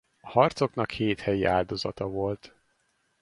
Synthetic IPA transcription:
ɒhɒrt̪so̞knɒkheːt̪hɛjiʔaːld̪o̞zɒt̪ɒvo̞lt̪

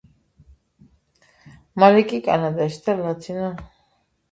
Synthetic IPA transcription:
malikʼikʼa̰nad̪aʃd̪alat̪ʰina

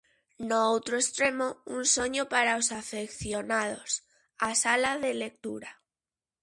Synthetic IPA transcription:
noowt̪ɾoest̪ɾe̞mounsoɲopaɾaosafekθjonað̞os | asalaðelek̚t̪uɾa

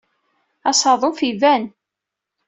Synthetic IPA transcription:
ɑsˤɑðˤofivæn

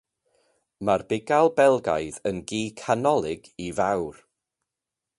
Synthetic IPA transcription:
marbɪɡalˠbɛlˠɡa̰jðənɡiːkʰanɔlˠɪɡ̥ivawr

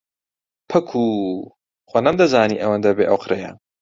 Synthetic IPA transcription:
pʰɐkʰu | xʷwɐnɐmd̪ɐzaːniʔɐwɐnd̪ɐbeːʔɐwqɾɐjɐ̰

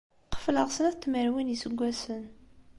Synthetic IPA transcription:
qə̥fləʁsənæθt̪ːməɾwinjisəɡʷːæsən

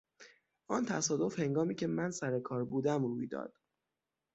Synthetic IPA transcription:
ɒːnt̪ʰæsɒːd̪o̞fhe̞ŋɡɒːmiːcʰe̞mænsæɾekʰɒːɾbuːd̪æmɾuːjd̪ɒ̰ːd̪̥

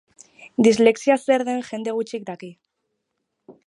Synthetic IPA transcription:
d̪izle̞ksiase̞ɾðe̞nʝe̞nd̪e̞ɣ̞ut͡ʃik̚d̪aki

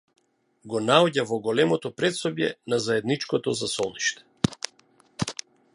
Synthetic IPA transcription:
ɡɔnaɔɟavɔɡɔlɛmɔt̪ɔpɾɛt̪sɔbjɛ̰nazaɛd̪nit͡ʃkɔt̪ɔzasɔniʃt̪ɛ̥

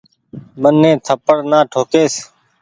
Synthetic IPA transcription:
mənːẽːt̪ʰəpəɽnãːʈʰoːkeːs

